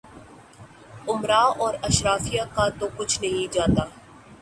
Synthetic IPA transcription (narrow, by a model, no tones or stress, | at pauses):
ʊmɾaːɔːɾɐʃɾaːfijakat̪okʊt͡ʃʰnɐɦĩd͡ʒaːt̪aː